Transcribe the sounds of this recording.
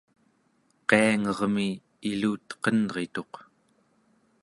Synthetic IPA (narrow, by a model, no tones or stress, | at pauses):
qeaŋʌʁmi | iluːt̪qʌnʁe̞t̪o̞q